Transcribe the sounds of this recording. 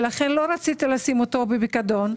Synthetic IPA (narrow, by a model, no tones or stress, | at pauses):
laχenlo̞ɾat͡sit̪ilasimot̪o̞bebikad̪o̞n